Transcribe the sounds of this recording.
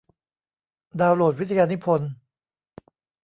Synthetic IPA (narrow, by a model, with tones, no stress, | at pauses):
daː˧wloː˨˩wi˦t̪ʰa˧jaː˧ni˦˥pʰo˧n